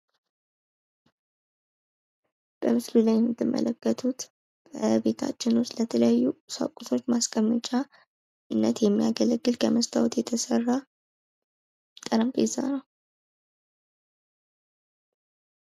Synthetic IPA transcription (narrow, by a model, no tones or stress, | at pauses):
b̥əmɨslulajɛmːɨt̪ʰːɨmːə̰ləkːət̪ʰut̪ | bʰəbe̞t̪ʰa̰t͡ʃːɪnust̪lət̪ʰələjajːusa̰kʼusʰo̞t͡ʃːmaskʼəmːɨt͡ʃʼa | ɨnːət̪jɛmːija̰ɡələɡːɨlkʰəməst̪ʰʼawt̪jɛt̪ʰəsərːa | t̪ʼəɾəmpeza̰nəw